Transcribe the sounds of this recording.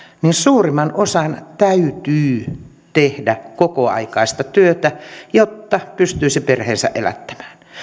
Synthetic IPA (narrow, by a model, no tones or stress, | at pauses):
ninsuːrimɑnʔosɑnt̪æyt̪yː | t̪ehdækokoɑ̰ikɑist̪ɑt̪yøt̪æjot̪ːɑpyst̪yːsiperheːnsæ̰ʔʔelæ̰t̪ːæ̥mæ̥ːn